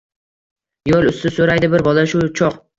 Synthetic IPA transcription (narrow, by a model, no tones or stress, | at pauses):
jolʊst̪ɪsoɾajd̪ɪbɪɾbɒlaʃʊt͡ʃʰɒq